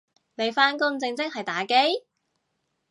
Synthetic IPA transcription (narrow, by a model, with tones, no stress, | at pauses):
ne˨˧jfaː˥nkʊ˥ŋt͡sɪ˧ŋt͡sɪ˥k̚hɐ˨˩jt̪aː˨˥ke˥j